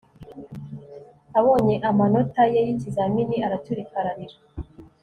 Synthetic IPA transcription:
aβo̞ːɲe̞ʔamano̞tajejicizaminiaɾatuɾikaɾaniɾa

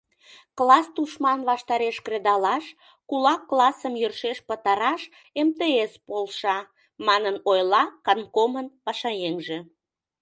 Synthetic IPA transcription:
klɑst̪uʃmɑnβɑʃt̪ɑɾeʃkred̪ɑlɑʃ | kulɑkːlɑsəmjørʃeʃpət̪ɑɾɑʃ | emt̪eespolʃɑ | mɑnənojlɑkɑnkomənpɑʃɑjeŋʒe̽

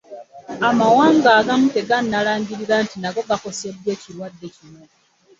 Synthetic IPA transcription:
amawaːŋɡaːɡamute̞ɡanːalaːɲɟiɾiɾantinaɡo̞ɡako̞se̞dːwe̞ːciɾwadːe̞cino̞

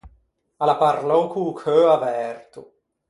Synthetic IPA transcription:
alapaɾlɔkʰukʰøavɛrt̪u

